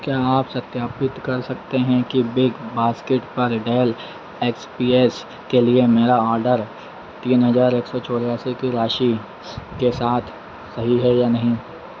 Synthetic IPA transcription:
kjaːaːpsɐt̪jaːpɪt̪kɐɾsɐkt̪eɦɛ̃kibɪɡbaːskeʈpɐɾɖeːl | eːkspiːeːs | keliemeːɾaɔːɾɖəɾ | t̪iːnɦɐzaːɾeːksɔt͡ʃʰoːɾjaːsikiɾaːʃi | kesaːt̪ʰ | sɐɦiɦɛjaːnɐɦĩ

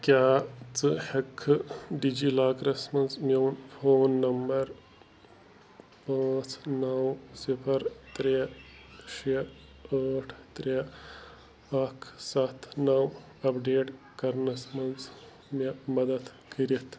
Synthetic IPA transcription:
kʲjaːt͡sɨhɐkʰːɨɖid͡ʒiːlaːkɾɐsmɐnzmɐnpʰoːnːɐmbɐɾ | paːt͡snɐwsipʰɐɾt̪ɾe | ʃe | ɐːʈʰt̪ɾe | ɐkʰsɐt̪ʰnɐw | ɐpɖeːʈ | kɐɾnɐsmɐnz | mɐmɐd̪ɐt̪kɐɾit̪ʰ

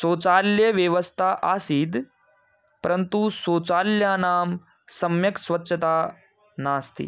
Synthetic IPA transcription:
soːt͡saːljəʋjəʋəst̪ʰaʔasiːd̪ | pəɾənt̪usoːt͡saːljanaːm | sɐmjɐksʋɐtːɕʰət̪aː | naːst̪ḭː

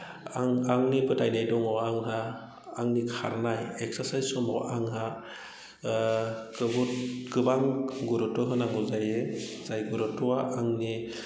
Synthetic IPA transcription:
aŋaŋnipɯtʰajnajdɔŋɔaŋɦaː | ŋnikʰa̰ɾnajɛksaɾsajzsɔmɔ̰ʔaŋɦa | ɡɯɡutɡ̥ɯbaŋɡuɾɔtɔɦɯnaŋuzajez̥ajɡuɾɯtɔaʔaŋni

